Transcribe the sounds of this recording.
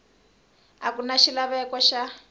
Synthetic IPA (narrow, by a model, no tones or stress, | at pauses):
akunaʃilaβɛkɔʃa